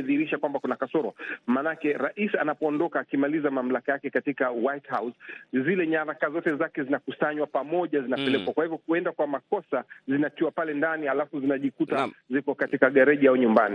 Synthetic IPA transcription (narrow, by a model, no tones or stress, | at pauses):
ðiɾiʃakwambakunakasɔɾɔmaːnakɛɾaʔisanapɔːndɔkaːkimalizamam̩lakajakɛkatikawajthawszilɛɲaɾakazɔtɛzakɛzinakusaɲwapamɔʄazinapɛlɛkwakwahivjɔkuɛndakwamakɔsazinakiwapalɛndanialafuzinaʄikutazikɔkatikaɠɛɾɛʄiauɲumbani